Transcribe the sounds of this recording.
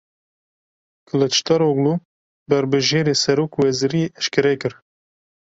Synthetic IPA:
kʰɨlɨt͡ʃʰt̪ɑɾoɡluː | bɛɾbɨʒeːɾeːsɛɾoːkwɛziɾieʔɛʃkɨɾɛkɨɾ

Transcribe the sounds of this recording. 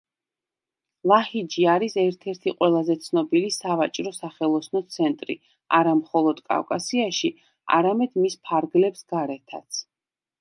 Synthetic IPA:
lˠahid͡ʒiaɾisɛɾt̪ʰɛɾt̪ʰiqʼwɛlˠazɛt̪sʰnɔbilisavat͡ʃʼɾɔsaχɛlˠɔsnɔt̪sʰɛnt̪ʼɾḭ | aɾamχɔlˠɔd̪̥kʼa̰vkʼasiaʃi | a̰ɾamɛd̪̥mispʰaɾɡlɛpsɡ̥aɾɛt̪ʰa̰t̪sʰ

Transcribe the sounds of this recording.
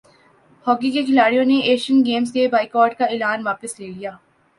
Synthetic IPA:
hɔːɡikekʰɪlaːɽijõneʔeːʃənɡeːmskebaːɪkɔːɾʈ̚kaɪlaːnʋaːpəsleːlijaː

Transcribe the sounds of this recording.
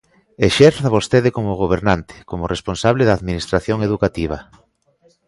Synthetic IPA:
eʃeɾθaβost̪eðekomoɣ̞oβ̞eɾnant̪ɪ̥komoresponsaβ̞leðaːðminist̪ɾaθjoŋeðukat̪iβ̞a

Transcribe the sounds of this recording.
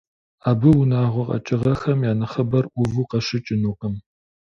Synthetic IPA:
aːbɨwʊnaːʁʷʊqʼɐ̰t͡ʃʼɪʁɐxɐmjaːnɨχɐbɐrʔʷʊvuqɐʃɪt͡ʃʼɪnuːqʼəm

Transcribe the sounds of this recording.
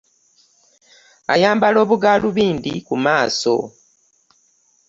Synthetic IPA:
a̰jaːmbalo̞ːβuɡaːluβiːnd̪ikumaːso̞̰

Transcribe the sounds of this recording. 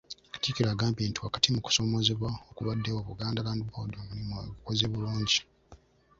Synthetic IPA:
kḁtikilaɡaːmpiːntuwakḁtimuku̥so̞mo̞ze̞βwaokuβadːewoβuɡaːndalaːndubodomuɾimookukozeːβuluːɲɟi

